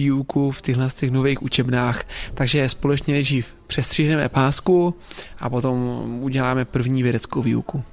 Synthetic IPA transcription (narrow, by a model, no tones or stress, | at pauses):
iːukuft̪ɪɦlɛst̪ɛxnoveːxʔut͡ʃɛbnaːxt̪aɡʒɛspolɛt͡ʃɲɛnɛdʒiːf | pr̝̥ɛst̪r̥iːɦnɛmɛ̰paːskuʔapo̞t̪o̞mʔuɟɛlaːmɛpr̩vɲiːvjɛdɛt͡skowvḭːṵku